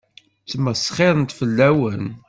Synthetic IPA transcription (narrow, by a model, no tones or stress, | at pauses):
θəmːəsχeɾˤənt̪fəlːæwən